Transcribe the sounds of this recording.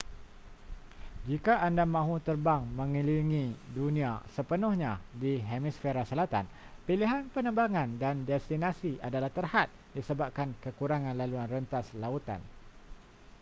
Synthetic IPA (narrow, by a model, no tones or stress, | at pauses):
d͡ʒikaʔandamãɦut̪ərbaŋmə̃ŋiliŋĩdunĩasəpənʊhɲãdiɦemisfeɾasəlat̪a̰n | piliɦanpənə̃mbaŋãndandɛst̪inãsiadalaht̪ərhat̪̚disəbap̚kankəkuɾaŋãnlaluanrənt̪aslaut̪a̰n